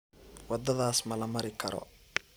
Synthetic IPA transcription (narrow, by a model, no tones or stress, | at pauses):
wɑd̪ɐðaːsmɐlɐmɐɾɪkʰɐɾɔ̰